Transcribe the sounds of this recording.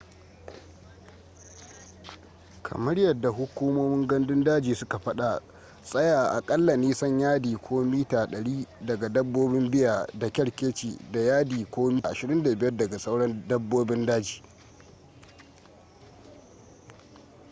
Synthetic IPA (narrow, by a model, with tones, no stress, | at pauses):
kʰɐ̰˨mɐ˦ɽjɐ˨dːa˨ɦʊ˦kʷuː˦moː˦mɪ˦ŋɡɐ˦ndɪ˦ndaː˦d͡ʒiː˨sʊ˦ka˨ɸɐ˦ɗa˨ | sʼɐ˦jaː˨ʔa̰˨kʼɐ˦lːa˨niː˦sɐ˦ɲjaː˦diː˨kʷʰoː˦miː˦taː˨ɗɐ˨ɽiː˦dɐ˨ɡa˨dɐ˦bːoː˦bɪ˦mbɪ˦ja˨da˨kʲɐ˦ɽkʲeː˦t͡ʃiː˨da˨jaː˦diː˨kʷoː˦mi˦ʔa˨ʃɪ˨ɾɪ˦nda˨bɪ˦jɐ˦rdɐ˨ɡa˨sɐ˦wɽɐ˦ndɐ˦bːoː˦bɪ˦ndaː˦d͡ʒiː˨